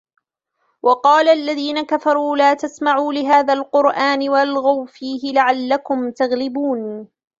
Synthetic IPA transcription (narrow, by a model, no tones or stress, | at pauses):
wʔɑqɑːlaʔalːaðiːnakafɑɾˤuːlaːt̪asmaʕuːlɪɦaːðaːlqʊɾʔaːnɪwalɣawfiːɦɪlaʕalːakʊmt̪aɣlɪbuːn